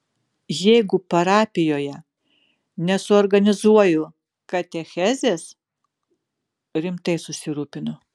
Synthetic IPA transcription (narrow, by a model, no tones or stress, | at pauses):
jɛɪɡʊpɐɾɑːpʲɪjoːjɛ | nʲɛsʊɔːɾɡɐnʲɪzuɔjʊ | kɐt̪ʲɛxʲɛzʲeːs | ɾʲɪmt̪ɐɪsʊsʲɪɾuːpʲɪnʊ